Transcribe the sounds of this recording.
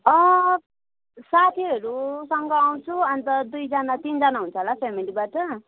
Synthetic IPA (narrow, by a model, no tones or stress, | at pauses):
ʌ̃ | sat̪ʰiɦʌɾusʌŋɡʌaw̃t͡sʰuʌnt̪ʌd̪ujd͡zanat̪ind͡zanaɦunt͡sʰʌɦolapʰemilibaʈʌ